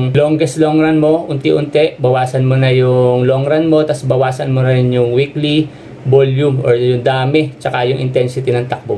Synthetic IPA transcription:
ŋloŋɡɛsloŋɾɐnmo̞ʔʊnt̪ɪʔʊnt̪ɛʔbɐwaːsɐnmonɐjʊŋloŋɾɐnmo̞t̪ɐsbɐwaːsɐnmonɐɛnjʊŋwikli | boljʊmʔoɹjʊŋd̪aːmɛt͡ʃɐkajʊŋʔɪ̰nt̪ɛnsɪt̪inɐŋt̪ɐk̚bo

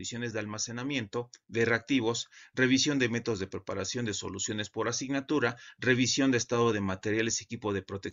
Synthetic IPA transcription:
isjone̞zðealmase̞namje̞nt̪o̞ðereak̚t̪iβ̞o̞sre̞βisjo̞nd̪e̞me̞t̪ozðepɾepaɾasjo̞nd̪e̞so̞̰lusjo̞ne̞spo̞ɾasiɣnat̪uɾare̞βisjo̞nd̪est̪aðo̞ðe̞mat̪e̞ɾjalesekipo̞ðe̞pɾo̞t̪ek

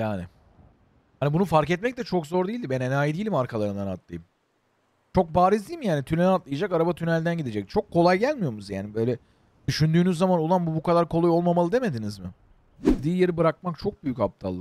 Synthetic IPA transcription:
jaːnɪ | hanibunufaɾkɛt̪̚mɛc̚t̪ɛt͡ʃʰo̞kzo̞ɾd̪ijilʲd̪ibɛnenaːjid̪ejilʲimaɾkʰalˠaɾɯnd̪anat̪lˠɯ̰jɯm | t͡ʃʰo̞k̚baːɾizd̪iːlmijaːnit̪ʰynɛnat̪lˠɯjad͡ʒakaɾabat̪ʰynælʲd̪ænɟid̪ed͡ʒɛc̚t͡ʃʰo̞kʰːo̞lˠajɟælʲmijo̞ɾmuzjaːnibø̞ːlʲɛ | d̪̥yʃynd̪yːnyzːamanulˠanbubukad̪aɾkʰo̞lˠajo̞lˠmamalˠɯd̪e̞me̞d̪inizmɪ | ɟid̪iːjeɾibɯɾak̚mak̚t͡ʃʰo̞k̚byjycap̚t̪ʰa̰lˠːɯ

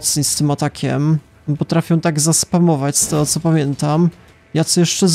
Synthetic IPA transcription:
t̪sɲist̪ɘmat̪akʲʰɛ̰m | pɔt̪ɾafʲjɔw̃t̪aɡzaspamɔvat͡ɕst̪ɛɔt̪sɔpamʲjɛnt̪am | jat̪sɔjɛʂt͡ʂɛz

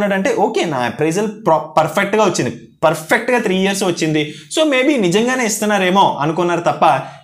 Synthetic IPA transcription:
nːaːɽɐɳʈe̞ːʔoːke̞ːna̰ːpɾɐjzɐlpɾpɐɾpʰek̚ʈɡaːʋɐt͡ʃːind̪i | pɐɾpʰek̚ʈɡaːt̪ʰɾiːjiɐɾs̬ʋɐt͡ʃːind̪i | so̞ːme̞ːbiːnid͡ʒɐŋɡaːne̞ːist̪unːaːɾe̞ːmo̞ːʔɐnukunːaːɾut̪ɐpːɐ

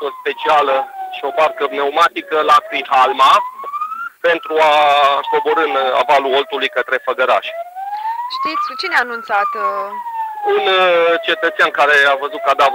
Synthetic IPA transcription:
o̞spe̞t͡ʃialəʃio̞barkəneumat̪ikəlakɾiɦalma | pe̞nt̪ɾuako̞boɾɨna̰valuo̞lt̪ulujkət̪ɾe̞fəɡəɾa̰ʃe | ʃt̪it̪sʲut͡ʃineaːnunt̪sat̪ | unt͡ʃe̞t̪ət̪sʲankaɾe̞avəzut̪̚kad̪av

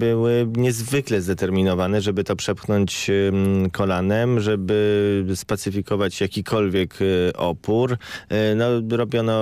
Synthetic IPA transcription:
bɘwɘɲɛzvɘklɛzd̪ɛt̪ɛɾmʲinɔvanɛʐɛbɘt̪ɔpʂɛpxnɔɲt͡ɕ | kʰɔlanɛmʐɛbɘspɛt̪sɘfʲikɔvat͡ɕjakʲikʰɔlvʲjɛkʔɔpuɾnɔɾɔbʲjɔnɔ

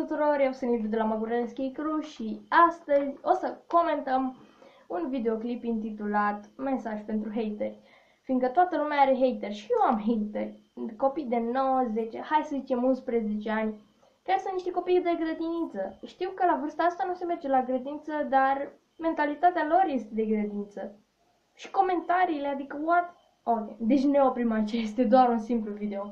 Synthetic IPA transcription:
t̪ut̪uɾo̞rjewsənib̪d̪elamaɡuɾeenskʲejkɾuʃiast̪əzʲo̞səko̞me̞nt̪əm | unvid̪e̞o̞klipint̪̬it̪ulat̪me̞saʒʲpe̞nt̪ɾuɦejt̪erʲ | finŋɡ̪kət̪oat̪əlumeaaɾe̞ɦe̞jt̪erʲʃijewamɦejt̪erʲ | ko̞pijd̪e̞no̞wəze̞t͡ʃehajsəzit͡ʃe̞munspɾeze̞t͡ʃe̞anʲ | kʲarsɨnt̪niʃt̪eko̞pijd̪eɡɾəd̪init̪səʃt̪iwkəlavərst̪aast̪anuse̞me̞rd͡ʒe̞laɡɾed̪int̪səd̪ar | me̞nt̪alit̪at̪ealo̞rje̞st̪e̞d̪e̞ɡɾed̪int̪sə | ʃi̥ko̞me̞nt̪aɾiːlead̪ikəwat̪ | okʲejd̪e̞t͡ʃʲneopɾimat͡ʃest̪ed̪oaɾunsimpluvid̪eo̞

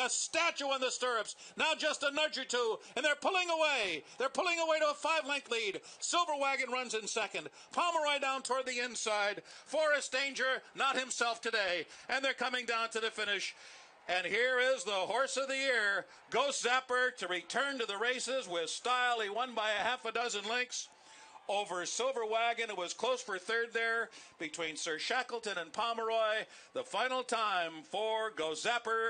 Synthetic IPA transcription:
ɨstæt͡ʃuə̃nðɨstɜ˞ɨpsnəʊd̥ʒ̥ʌstənɜ˞d͡ʒə˞tʰuɨ̃nðə˞pʰʊlˠɪ̃ŋəweɪðə˞pʰʊlˠɪ̃ŋəweɪɾəəfaɪvlɛ̃ŋklidsɪlˠvə˞wæɡɨ̃nɹʌ̃nzɨ̃nsɛkɨ̃nd | pʰɑmə˞ɔɪdãʊ̃ntʰɔɹd̪̚ðiɪ̃nsaɪd̥̚fɔɹɨsd̥ẽɪ̃nd͡ʒə˞nət̚hɨ̃msɛlˠftʰɨdeɪɨ̃nðə˞kʰʌmɪ̃ŋdãʊ̃ntʰɨðɨfɪ̃ñɪʃ | ɨ̃nhiɹɪzðəhɔɹsʌvðiɪɹ | ɡoʊzɛpə˞ɾɨɹitʰɜ̃˞ntɨðəɹeɪsɪzwɪð̥staɪlˠiwʌ̃nbaɪɨhæfɨdʌzɨ̃nlɪ̃ŋks | oʊvə˞sɪlˠvə˞wæɡɨ̃nɨwʌz̥kʰl̥oʊsfə˞θɜ˞d̪̚ðə˞b̥ɨtʰw̥ĩnsɜ˞ʃækl̩ˠtɨ̃nɨ̃npʰɑmə˞ɔɪ | ðəfãɪ̃nl̩ˠtʰãɪ̃ɱfə˞ɡoʊzæpə˞

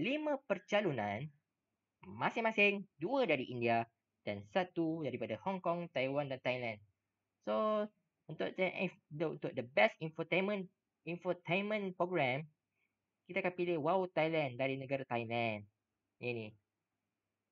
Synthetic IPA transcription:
limə̃pərt͡ʃalunãn | mãsɪŋmãsɪŋduədaɾiʔindia | d̥ansat̪udaɾipadahɔŋkɔŋt̪ajwandant̪ajlãn | so | unt̪ʊʔ̚d̪ɛnʔdṵnt̪ʊʔ̚dəbɛstɛ̃nfət̪amə̃n | ɛ̃ɱfət̪anmə̃npɾoɡɹɛ̃m | kit̪akanpilɪhwawt̪ajlãndaɾinəɡaɾat̪ajlãn | ʔanĩ

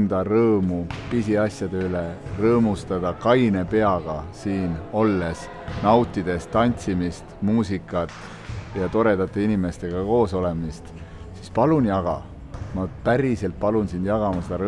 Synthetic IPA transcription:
nd̪̥ɑrɤːmupisiɑsjɑd̪̥eylerɤːmust̪ɑd̪̥ɑkɑjnepe̞ɑɡ̥ɑsiːno̞lːe̞s | nɑwt̪ːˑid̪̥e̞st̪ːɑnʲt̪simist̪muːsikːˑɑt̪ˑ | jɑt̪o̞ɾe̞d̪̥ɑt̪ːˑeinʲime̞st̪e̞ɡ̥ɑko̞ːso̞le̞mist̪ | sispɑlunjɑɡ̥ɑ̰ | mɑpæɾise̞lt̪̚pɑlunsind̪̥jɑɡ̥ɑmɑsed̪̥ɑɾɤ

